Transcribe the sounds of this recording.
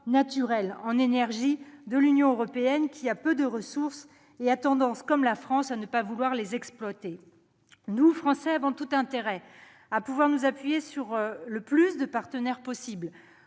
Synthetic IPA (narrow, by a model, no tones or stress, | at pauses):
nat̪yʁɛlɑ̃nenɛʁʒid̪əlynjɔ̃øʁɔpeɛnkʲʰiapød̪əʁəsuʁs | eat̪ɑ̃d̪ɑ̃skɔmlafχɑ̃sanəpavulwaʁlezɛksplwat̪e | nufχɑ̃sɛavɔ̃t̪ut̪ɛ̃t̪eʁɛ | apuvwaʁnuzapɥijesyʁləplysd̪əpaʁt̪ənɛʁpɔsibl